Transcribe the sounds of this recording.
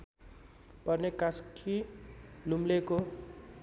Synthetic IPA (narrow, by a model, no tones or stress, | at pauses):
pʌrnekaskʰilumleko